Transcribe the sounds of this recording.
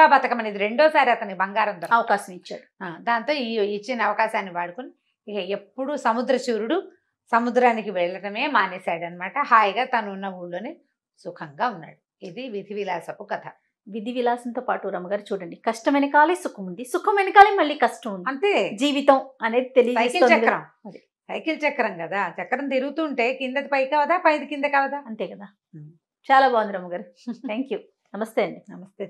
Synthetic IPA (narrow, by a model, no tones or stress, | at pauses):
aːbɐt̪ɐkɐmɐnid̪iɾe̞ɳɖoːsaːɾiɐt̪ɐnikibɐŋɡaːɾɐnt̪ɐɾɐʋɐkaːʃɐmit͡ʃːa̰ːɽuaːd̪aːnt̪oːiːit͡ʃːinɐɐʋɐkaːʃaːnːiʋaːɽukuniː | kɐepːuɽusɐmud̪ɾɐt͡ʃuːɾuɽu | sɐmud̪ɾaːnikiʋɛɭːɐɽɐme̞ːmaːneːsaːɽɐnɐmaːʈɐhaːjɡaːt̪ɐnuːnːɐuːɽːoːneː | sukʰɐŋɡaːunːa̰ːɽu | id̪iʋid̪ʱiʋilaːsɐpukɐt̪ʰɐ | ʋid̪ʱiʋilaːsɐnt̪oːpaːʈuɾɐmɐɡaːɾut͡ʃuːɽɐɳɖikɐʂʈɐmɐnɐkaːlisukʰɐmund̪isukʰɐmɐjnɐkaːliːmɐɭːiːkɐʂʈɐmund̪ɐnt̪eːd͡ʒiːʋit̪ɐmɐne̞ːd̪it̪elijɐd͡ʒɐeːsioːnt͡ʃɛɐɾɐm | ɐd̪i | sɐjkilt͡ʃɐkːɐɾɐmkɐd̪aːt͡ʃɛkːɐɾɐnt̪iɾuɡut̪uːɳʈeːkind̪ɐt̪ipɐjkɐʋɐd̪aːpɐjd̪ikind̪ɐkɐʋɐd̪aːɐnt̪e̞ːkɐd̪aː | t͡ʃaːlaːbaːʋund̪iɾɐmɐɡaːɾut̪ʰɛːŋkjuː | nɐmɐst̪eːɐɳɖinɐmɐst̪e